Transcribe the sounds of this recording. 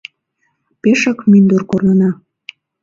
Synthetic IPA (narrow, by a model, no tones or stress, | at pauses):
peʃɑkmind̪urkornənɑ